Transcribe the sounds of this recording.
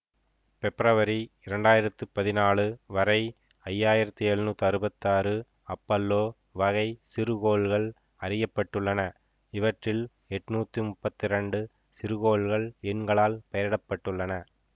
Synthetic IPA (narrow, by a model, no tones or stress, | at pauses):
pɛpɾɐʋɐɾiɪɾɐɳɖaːjɪɾɐt̪ːɯpɐðɪnaːɭɯʋɐɾɐɪ | ɐjːaːjɪɾɐt̪ːiɛɻnuːt̪ːɯɐɾɯbɐt̪ːaːɾɯ | ɐpːɐlːoː | ʋɐɣɐɪsɪɾɯɣoːɭɣɐɭ | ɐɾɪjɐpːɐʈːɯɭːɐnɐ | ɪʋɐʈrɪl | ɛʈːnuːt̪ːimʊpːɐt̪ːɪɾɐɳɖɯ | sɪɾɯɣoːɭɣɐɭɛɳɡɐɭaːlpɐjɐɾɪɽɐpːɐʈːɯɭːɐnɐ